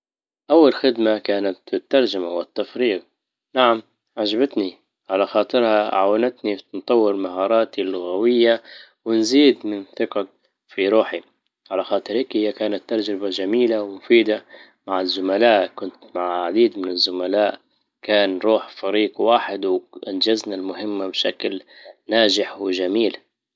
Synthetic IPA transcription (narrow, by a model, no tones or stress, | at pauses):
ʔawːalxɪd̪makaːnat̪ɪt̪ːɑɾˤd͡ʒamawɪt̪ːafɾiːq | naʕam | ʕad͡ʒabat̪ni | ʕalaxɑːt̪ˤɨɾhaʕawɪnat̪nint̪ˤɑwːɪɾmahɑːɾˤɑːt̪ilːʊɣawɪjːa | wɪnziːd̪mɪnθɪqɑ | fiɾuːħi | ʕalaxɑːt̪ˤɨɾhiːkhɪjːakaːnat̪ːɑɾˤd͡ʒɾɪbad͡ʒamiːlawmʊfiːd̪a | maʕɪzːʊmalaːʔkʊnt̪maʕʕad̪iːd̪mɪnɪzːʊmalaːʔ | kaːnɾˤuːħfaɾiːɡwaːħɪd̪wʔand͡ʒaznalmʊɦɪmːabʃaklnaːd͡ʒɪħwɪd͡ʒamiːl